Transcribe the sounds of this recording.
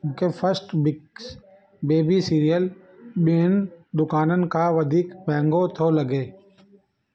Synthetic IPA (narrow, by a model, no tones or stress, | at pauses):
kepʰəɾsʈbɪks | beːbisiːɾijəl | ɓeːnd̪ʊkaːnənɪ̆kaʋəd̪ʱiːkbɛ̃ːŋɡot̪ʰoːləɡeː